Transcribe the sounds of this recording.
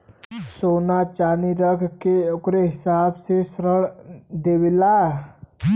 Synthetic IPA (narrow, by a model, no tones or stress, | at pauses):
sonat͡ʃaniɾəkʰkeokɾeɦɪsaːbsesɾəɽd̪ewila